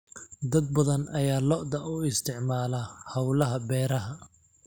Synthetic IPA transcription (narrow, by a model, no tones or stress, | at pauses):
d̪ɐd̪̚bɐðɐnɐjaːlɔʔd̪ɐʔʊɪst̪ʰɪʕmaːlɐhɐwlɐɦɐbɛːɾɐɦɐ